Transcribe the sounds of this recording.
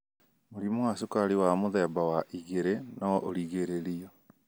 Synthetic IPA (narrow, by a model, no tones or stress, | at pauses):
moɾimowasokaɾiwamoðɛbawaʔiɣeɾenaʔoɾiɣeɾeɾiɔ